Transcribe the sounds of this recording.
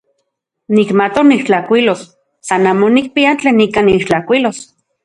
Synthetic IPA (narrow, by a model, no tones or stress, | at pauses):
nikmat̪oniʃt͡ɬakʷilosː | anaːmonik̚piant͡ɬeːnikaniʃt͡ɬakʷilos